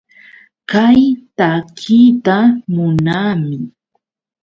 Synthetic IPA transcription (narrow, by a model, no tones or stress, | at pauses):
kajt̪akʰiːt̪amʊnaːmɪ